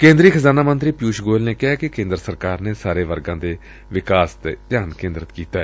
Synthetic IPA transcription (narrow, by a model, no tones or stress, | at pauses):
kẽːnd̪ɾiːkʰəzaːnaːmə̃nt̪ɾiːpjuːʃɡoːlneːkɪɦaːkɪkẽːnd̪ɾəsəɾkaːɾneːsaːɾeːʋəɾɡãːd̪eː | ʋɪkaːst̪et̪jaːnkẽːnd̪ɾət̪kiːt̪aːɛ